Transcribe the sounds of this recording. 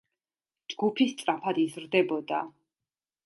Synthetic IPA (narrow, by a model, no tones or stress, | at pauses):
d͡ʒɡupʰist̪sʼɾapʰad̪izɾd̪ɛbɔd̪a̰